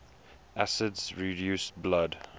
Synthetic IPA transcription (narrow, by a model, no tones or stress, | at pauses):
ʔæsədzɹidjuːsblad